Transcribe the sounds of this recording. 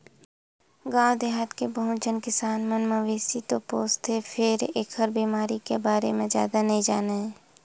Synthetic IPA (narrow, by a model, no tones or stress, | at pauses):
ɡãːwd̪eɦat̪kebəɦʊ̃t͡ʃənkɪsaːnmənməʋeːsit̪opoːst̪ɦepʰɪɾeːkhəɾbiːmaːɾikebaːɾemẽzja̰ːd̪anɐɦĩd͡ʒaːnaɦɛː